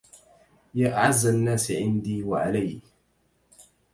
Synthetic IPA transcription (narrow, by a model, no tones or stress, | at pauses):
jaːʔaʕazːanːaːsʕɪnd̪iːwaʕalaj